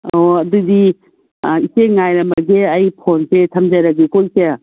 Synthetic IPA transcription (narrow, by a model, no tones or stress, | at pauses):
oɐdudi | iseŋajɾɐmbɐɡeɐjpʰonsetʰɐmd͡ʒaɾɐɡekojse